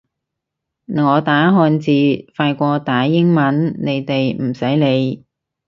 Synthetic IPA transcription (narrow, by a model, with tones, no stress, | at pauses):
ŋɔː˨˧t̪aː˨˥ɦɔː˧nt͡siː˨˧faː˧jkʷɔː˧t̪aː˨˥jɪ˥ŋmɐ˨˥nne˨˧jt̪e˨jm̩˨˩sɐ˨˥jne˨˧j